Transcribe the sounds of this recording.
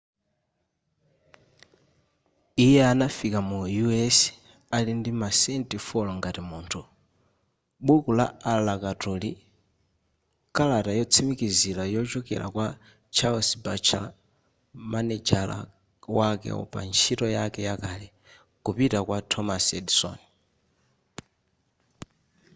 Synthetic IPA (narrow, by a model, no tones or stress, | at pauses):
ijɛanafikamujuɛs | alindimasɛntifɔlɔŋɡatimuːntʰu | ɓukula̰alakatɔli | kalatajɔt͡sʰimikizilajɔt͡ʃɔkɛ̰la̰kwa | t͡ʃʰalsbat͡ʃʰa̰ | manɛd͡ʒala̰ | wakɛ̰ɔ̰pa̰nt͡ʃʰitɔjakɛjakalɛ | kupitakwatʰɔmasɛdsɔ̰ni